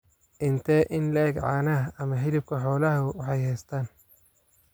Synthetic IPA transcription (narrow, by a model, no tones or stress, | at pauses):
ʔɪnt̪ʰɛːʔɪnlɛːɡʕɑːnɐɦɐɐmɐɦɪlɪb̚kʰɐħɔːlɐɦɐwɑħɑjhɛjst̪ʰaːn